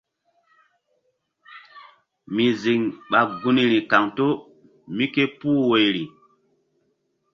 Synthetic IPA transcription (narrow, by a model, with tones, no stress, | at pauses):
mi˨zi˨ŋɓa˨ɡu˦ni˨ɾi˨ka˨ŋto˦ | mi˦ke˦puː˦we˨jɾi˨